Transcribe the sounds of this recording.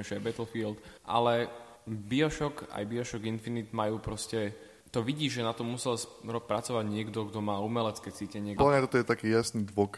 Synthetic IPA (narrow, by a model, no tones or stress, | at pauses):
ɛʒɛɛbɛt̪l̩fiːlt̪ʔa̰lɛ | biɔʃɔka̰jbiɔʃɔɡinfinid̪majuːpɾɔscɛ | t̪ɔʋiɟiːʒɛnat̪ɔmːusɛlsɾɔpːɾat͡sɔʋaɟɲɪɛɡd̪ɔɡd̪ɔmaːumɛlɛt͡skɛːt͡siːcɛɲɪɛɔlamɲat̪ɔt̪ɔjɛt̪akiːjasniːd̪ʋɔk